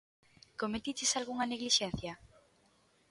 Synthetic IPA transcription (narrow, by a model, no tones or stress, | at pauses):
komet̪it͡ʃesalɣuŋɐneɣliʃɛn̟θjɐ